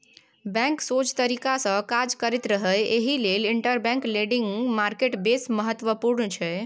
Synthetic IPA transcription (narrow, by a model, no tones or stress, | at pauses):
bɛ̃ŋksot͡ʃt̪əɾikasə̃kad͡ʒkəɾɛt̪ɾəɦəjeɦileliɳʈəɾbɛ̃ŋkleɖiŋɡmaɾkeʈbesməɦət̪ːʋəpuɾnt͡ʃʰɛ